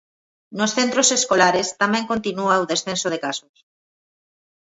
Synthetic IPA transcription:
nosθent̪ɾoseskolaɾest̪amɛ̃ŋkont̪inuaoðesθensoð̞ekasos

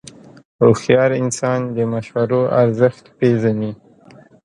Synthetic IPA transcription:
ɾoxjɑɾɪnsɑnd̪əmaʃwaɾoʔaɾzəxt̪pezani

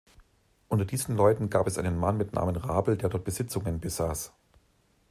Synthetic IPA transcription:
ʔʊntɐdiːzn̩lɔʏtn̩ɡaːpɛsʔa̰ɪnənmanmɪtnʔa̰ːmənʁaːbl̩deːɐdɔɐt̚b̥əz̥ɪt͡sʊŋənbəzaːs

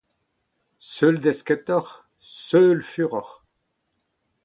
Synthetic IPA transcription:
sœld̪ɛskɛt̪ɔʁ | sœlfyʁɔʁ

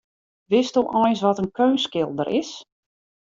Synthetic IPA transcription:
ʋɪstuʔɔjsʋɔtənkʰøːnskɪlˠdəɾʔɪs

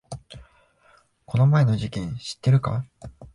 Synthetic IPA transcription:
ko̞no̞mae̞no̞ʑikʲẽ̞ɰ̃ɕi̥t̪ːe̞ɾɯ̟ka̰

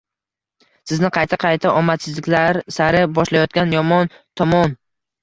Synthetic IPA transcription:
sɪznɪqʰɑjt̪ʰaqʰɑjt̪ʰaʔɒmat̪sɪzlɪkʲlaɾsaɾɪbɒʃlajɒt̪̚kʲanjɒmɒn | t̪ʰɒmɒn

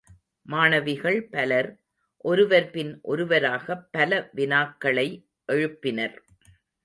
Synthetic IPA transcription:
maːnɐʋɪɣɐɭpɐlɐɾ | ʔɔɾɯʋɐɾpɪnʔɔɾɯʋɐɾaːɣɐpːɐlɐʋɪnaːkːɐɭɐɪ | ʔɛɻɯpːɪnɐɾ

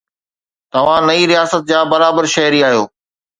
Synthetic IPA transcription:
t̪ɐʋ̤ãnɐiɾijaːsət̪̚d͡ʑaːbɐɾaːbəɾʃɐɦɪɾiaːɦijoː

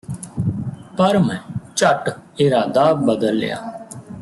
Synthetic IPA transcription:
pəɾmɛ̃ːt͡ʃəʈɪɾaːd̪aːbəd̪əlːḛja̰ː

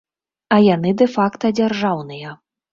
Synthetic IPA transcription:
ɐjanɨd̪ɛfakt̪ɐd͡zʲarʐawnɨjɐ

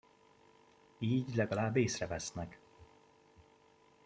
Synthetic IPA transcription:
iːɟlɛɡɒlaːbːeːsrɛvɛsnɛk

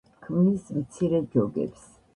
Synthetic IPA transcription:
kʰmnismt̪sʰiɾɛd͡ʒɔɡɛ̰ps

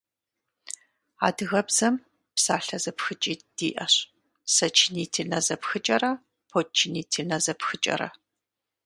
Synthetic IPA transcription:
a̰ːdɨɣɐbz̥ɐm | psaːɬɐzɐpxɨt͡ʃʼiːd̥iːʔɐɕ | sɐt͡ʃʰɪniːtʰinɐzɐpxɨt͡ʃʼɐrɐ | pʰoːt͡ʃʰɪniːtʰinɐzɐpxɨt͡ʃʼɐ̰ɾɐ̰

